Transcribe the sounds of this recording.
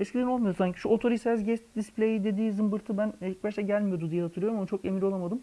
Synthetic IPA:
ɛscid̪ʲinolˠmaj̪saɲcʰi̥ʃuo̞t̪ʰo̞ɾisɛzɟɛt͡ʃd̪ispʲlʲe̞jid̪e̞d̪iːzɯmbɯɾt̪ʰɯbænicbaʃt̪ɛɟælʲmijo̞d̪ud̪ijɛɦat̪ʰɯɾˠɯjoɾmonut͡ʃʰo̞kemilʲo̞lˠamad̪ɯm

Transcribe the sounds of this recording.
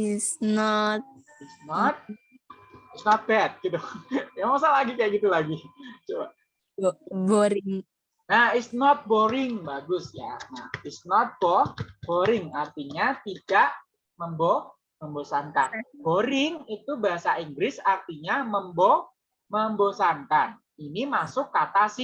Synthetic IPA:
snɔt̪̚ | isnɔt̪̚ | isnɔt̪̚bɛt̪̚ɡit̪ujamasalaɡikajaʔɡit̪ulaɡit͡ʃoba̰ | boɾɪŋ | nahisnɔt̪̚boɾɪŋbaɡʊsja̰na̰hisnɔt̪̚bɔb̥oɾɪŋart̪iɲat̪id̥aʔ | məmbo | məmbosant̪anboɾɪŋit̪ubaɦasaiŋɡɾɪsart̪iɲaməmbo | məmbosant̪an | inimasʊkːat̪asɪ

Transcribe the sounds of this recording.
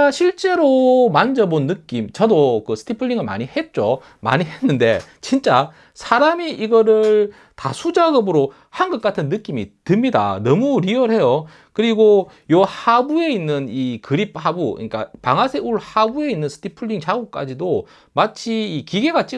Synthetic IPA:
ɕʰiɭt͡ɕ͈e̞ɾomand͡ʑʌmonːɯk͈imt͡ɕʌdokɯsʰɯ̥tʰipʰɯɭːiŋɯɭma̰ɲihe̞t̚t͡ɕ͈o | ma̰ɲiɦe̞nːɯnde̞̰t͡ɕint͡ɕ͈a | sʰaɾamiʔiɡʌɾɯɭ | ta̰sʰud͡ʑaɡɯbɯɾo | hanɡʌk̚k͈atʰɯnːɯk͈imitɯmɲida̰nʌmuɾiʌɾɦe̞jo | kɯɾiɡo | johabue̞inːɯnikɯɾip̚ʰhabuɯ̰ɲik͈a̰paŋɦasʰeuɭhabue̞inːɯnsʰɯ̥tʰipʰɯɭːiŋt͡ɕaɡok̚k͈a̰d͡ʑido | mat͡ɕʰiːkiɡe̞ɡat͡ɕ͈i

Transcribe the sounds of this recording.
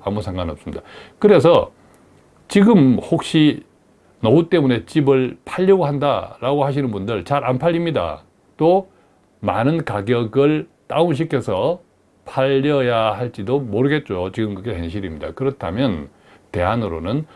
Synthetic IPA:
amusʰaŋɡanʌp̚s͈ɯmɲid̥akɯɾe̞s̬ʰʌ | t͡ɕiɡɯmhok̚ɕ͈i | nʌut͈e̞mune̞t͡ɕibɯɭpʰaʎːʌɡoɦanda̰ɾaɡohaɕ̬ʰinɯnbundɯɭt͡ɕaɾanpʰaʎːimɲida̰ | t͈o | manɯnkaɡjʌɡɯɭt͈aumɕ̬ʰikʰe̞sʰʌ | pʰaʎːʌjahaɭt͡ɕ͈idomoɾɯɡe̞t̚t͡ɕ͈ot͡ɕiɡɯmkɯkehenɕʰiɾimɲida̰kɯɾʌtʰamjʌn | te̞ɦanɯɾonɯn

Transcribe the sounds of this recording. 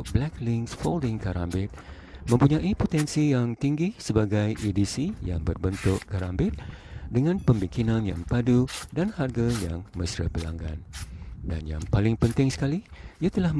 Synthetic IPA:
blɛklɪŋksfoldɪŋkaɾa̰mbɪt̪̚ | mə̃mpuɲãʔipot̪ɛnsijaŋt̪iŋɡɪhsəbaɡajʔidisija̰ŋbərbənt̪ʊʔkaɾambɪt̪̚dəŋãnpəmbiŋkinãnja̰ŋpadudanharɡajaŋməsɾə̰pəla̰ŋɡa̰nda̰nja̰ŋpalɪŋpənt̪ɪŋsə̥kaliiat̪əlah

